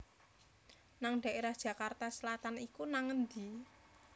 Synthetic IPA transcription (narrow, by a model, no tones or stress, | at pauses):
naŋɖ̥a̤ʔeɾahd̥ʒ̥a̤kart̪asəlat̪anikunaŋənd̪i